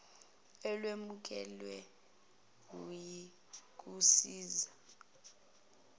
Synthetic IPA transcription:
ɛlwemuk̬ɛlwɛ | k̬uji | k̬ʼusiːza

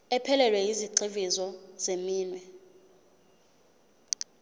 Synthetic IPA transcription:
ɛpʰɛlɛlwɛjiziǃivizɔzemiːnwɛ

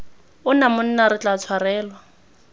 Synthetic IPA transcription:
ʊnamʊn̩naɾɪt͡ɬʼat͡sʰwarɛːlwa

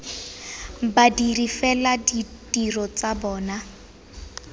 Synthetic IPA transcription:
badirifɛladitʼirɔt͡sabɔːna

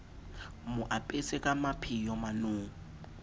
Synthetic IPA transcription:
mʊʔapʼesɛkʼamapʰijɔmanuːŋ̩

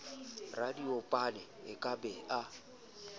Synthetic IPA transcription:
radiopʼalɛɪkʼabɛa

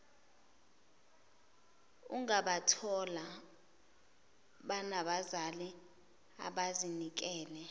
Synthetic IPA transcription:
uŋaɓatʰɔla | ɓanaɓazali | a̰ɓazinik̬ɛːlɛ

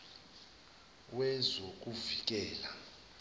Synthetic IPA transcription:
wɛzok̬ʼuvik̬ɛːla

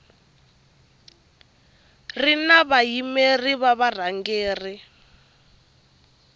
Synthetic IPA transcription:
rinaβajimeriβaβar̤aŋɡeːri

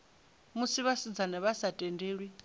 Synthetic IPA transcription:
musiβasid͡zanaβasatʼɛndeːɺwi

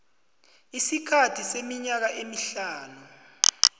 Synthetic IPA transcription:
isikʰatʰisemiɲak̬aʔemiɬaːnu

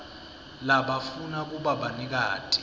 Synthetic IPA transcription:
laɓafunak̬uɓaɓanik̬aːtʼi̥

